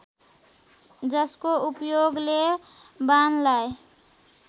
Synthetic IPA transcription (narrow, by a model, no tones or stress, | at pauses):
d͡ʒəskoupjoɡlebanlae